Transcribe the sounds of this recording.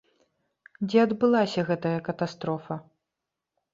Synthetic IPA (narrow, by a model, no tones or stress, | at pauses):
d͡zʲɛɐd̪bɨlˠasʲɐɣɛt̪ɐjɐkɐt̪ast̪ɾɔfɐ